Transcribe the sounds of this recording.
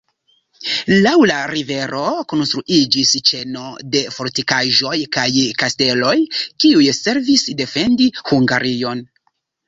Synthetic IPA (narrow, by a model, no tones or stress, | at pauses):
lawlaɾive̞ɾʔo̞ko̞nst̪ɾuʔid͡ʒist͡ʃe̞no̞de̞fo̞ɾtikaʒo̞jkajkaste̞lo̞jkiujse̞ɾvisde̞fe̞ndihuŋɡaɾijo̞n